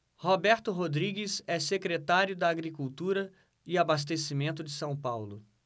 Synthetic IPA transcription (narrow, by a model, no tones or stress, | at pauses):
hobɛɾt̪ʊɦod̪ɾiɡɪsɛsekɾet̪aɾjʊd̪ɐːɡɾikuwt̪uɾɐ | ɪabas̬t̪esimẽnt̪ʊd͡ʒɪsɐ̃w̃pawlʊ